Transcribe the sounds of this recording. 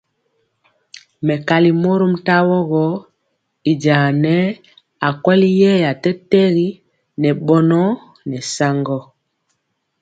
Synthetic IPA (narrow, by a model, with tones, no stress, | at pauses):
mɛ˨ka˨li˨mo˦ɾo˦m̩˦ta˦wɔ˦ɣɔ˦ | i˨d͡ʒaː˨nɛ˦ | a˨kwɛ˦li˦jɛ˦ja˨tɛ˦tɛ˦ɣi˦ | nɛ˨ɓɔ˦nɔ˦ | nɛ˨sa˦ŋɡɔ˦